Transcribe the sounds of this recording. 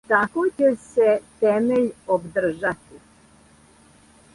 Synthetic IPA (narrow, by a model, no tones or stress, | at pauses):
t̪akot͡ɕeset̪emeʎobd̪r̩ʒat̪i